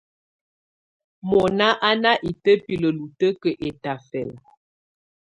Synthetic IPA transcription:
mɔ˨na˦ʔa˦na˦ʔi˨tə˦pi˨lə˨lu˨tə˦kə˨ʔe˨ta˨fɛ˨l

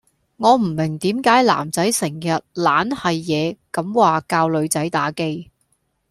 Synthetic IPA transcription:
ŋɔː˨˧m̩˨˩mɪ˨˩ŋt̪iː˨˥mkaː˨˥jla̰ː˨˩mt͡sɐ˨˥jsɪ˨˩ŋjɐ˨t̚laː˨˥nhɐ˨jːɛː˨˧kɐ˨˥mwaː˨kaː˧wlɵ˨˧ɥt͡sɐ˨˥jt̪aː˨˥ke˧j

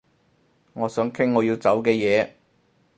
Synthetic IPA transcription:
ŋɔː˨˧sœː˨˥ŋkʰɪ˥ŋːɔː˨˧jiː˧wt͡sɐ˨˥wkɛː˧jɛː˨˧

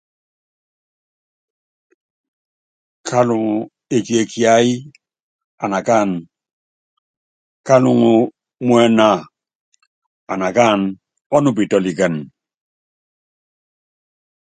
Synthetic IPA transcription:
kʰa˦lu˨ŋ˨ | e˨ki˨e˨kʰi˦a˦i˦ | a˨na˨ka˦˨n | ka˦lu˨ŋu˨ | mwɛ˦na˨ | a˨na˨ka˦˨n | ɔ˦nu˦˨bi˨tɔ˨li˨ɡə˨n

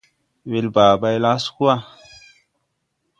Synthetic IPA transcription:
we˧lba˨ɓa˧jla˦sku˦a˦

